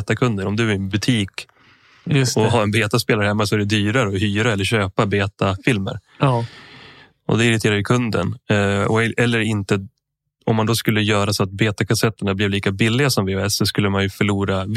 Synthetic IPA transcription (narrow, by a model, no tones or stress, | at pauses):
t̪akʰɵnd̪əɾɔmd̪ɵæɪnbɵt̪ʰiːk | ɔɦaɛnbeːt̪aspeːlɾhɛmːasɔɛæɖɛd̪yːɾaɾəɔhyːɾaɛlːəɾɕøːpabeːt̪afɪlmə̰ɾ | ɔ̰d̪ɛɪɾɪt̪ʰeːɾajʏkʰɵnd̪ə̰nɔʔɛlːəɾɪnt̪ə | ɔmːand̪ɔːskɵlːəjœːɾasɔat̪̚beːt̪akʰasɛt̪ːəɳablɪvliːkabɪlːɪɡasɔmvɪɛlssɔskɵlːəmanjɵfœɭuːɾav